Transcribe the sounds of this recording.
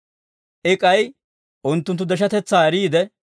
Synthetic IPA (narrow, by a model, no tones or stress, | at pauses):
ʔɪkʼɐj | ʔʊnt̪ːʊnt̪ːʊd̪ɛʃɐt̪ɛt͡sːaːɛɾiːd̪ɛ